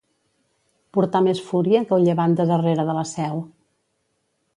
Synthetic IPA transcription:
puɾt̪amesfuɾiəŋkəlˠʎəβant̪əzəreɾəðələsɛw

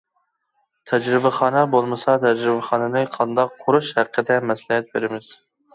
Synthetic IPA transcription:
t̪ʰɛd͡ʒɾɪbæχɑːnɑbolˠmɨsɑt̪ʰɛd͡ʒɾɪbɛχɑːnɨnɨqʰɑnd̪ɑqʰːʊɾuʃhæqʰːəd̪ɛmɛslɪɦɛt̪̚beɾɪmɪz̥

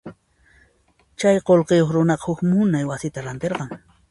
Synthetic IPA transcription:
t͡ʃajqolqejoχɾʊnɑqɑ̥hʊkmʊnajwasɪt̪aɾant̪eɾqɑŋ

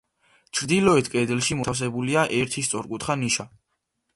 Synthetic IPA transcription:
t͡ʃʰɾd̪ilɔɛt̪ʰkʼɛd̪ɛlˠʃimɔas̬ɛbuliaʔɛɾt̪ʰist̪sʼɔɾkʼut̪ʰχaniʃa

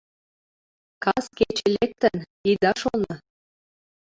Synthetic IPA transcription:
kɑsket͡ɕĕlek̚t̪ən | id̪ɑʃolnɤ

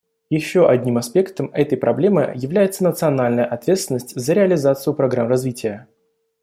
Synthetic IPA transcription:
jɪɕːoʔɐdʲnʲimɐspʲe̞kt̪əmɛt̪əjpɾʔɐblʲe̞mɨ̰jɪvlʲæjɪt̪sənət̪sɨɐnalʲnəjəʔɐt̪vʲet̪st̪vɪnːəsʲtʲzəɾʲɪɐlʲɪzat̪sɨjʊpɾɐɡɾamrɐzvʲitʲɪjə

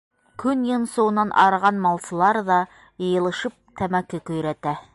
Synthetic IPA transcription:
kɵnjɤ̆nsɤ̆wɤ̆nɑnʔɑ̰ɾɑʁɑnmɑlˠsɤ̆lˠɑɾðɑ | jɤ̆jɤ̆lˠɤ̆ʃɤp̚t̪ʰæmækɘkɵ̆jɾæt̪æ

